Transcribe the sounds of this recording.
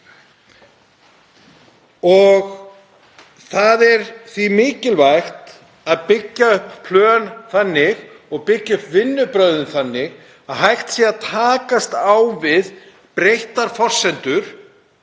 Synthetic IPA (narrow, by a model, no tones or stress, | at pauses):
ɔɣ | θaðɛɾθimɪːcɪlvajxt̪ | aðpɪcːaʏhpʰlœːnθanːɪɣɔɣpɪcːaʏhpvɪnːʏpɾœðʏnθanːɪɣ | aðɦajht̪sɛaðt̪ʰaːkast̪awvɪð | pɾejht̪aɾ̥fɔr̥sɛnt̪ʏɾ̥